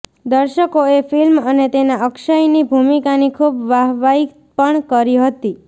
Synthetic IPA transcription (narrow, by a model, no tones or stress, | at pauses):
d̪əɾʃəkoefilmənet̪enaəkʃəjnibʱumikanikʰubʋaɦʋai | pəɳkəɾiɦət̪i